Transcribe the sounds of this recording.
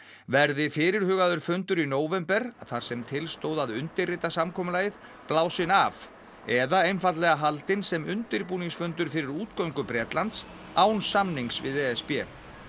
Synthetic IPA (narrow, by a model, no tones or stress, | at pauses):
vɛɾðɪfɪːɾɪɾ̥hʏːɣaðʏɾ̥fʏnt̪ʏɾinoːwvɛmpɛɾaθaɾ̥sɛmt̪ʰɪlst̪owðaðʏnt̪ɪrːɪt̪asamkʰɔːmʏlaːjɪð | plaːwsɪnav | ɛðaejnfat̪lɛɣaɦalt̪ɪnsɛmʏnt̪ɪɾpuːniŋsfʏnt̪ʏɾ̥fɪɾɪɾuːt̪kœwŋkʏpɾɛːt̪lant̪s | aːwnsamniŋksvɪ̰ðɛːɛspjɛː